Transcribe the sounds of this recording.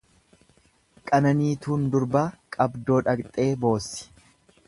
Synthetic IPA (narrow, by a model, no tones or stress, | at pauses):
kʼɐnɐniːt̪uːnd̪ʊɾbaːkʼɐbd̪o̞ːᶑɐkt̪ʼe̞ːbo̞ːsːɪ̥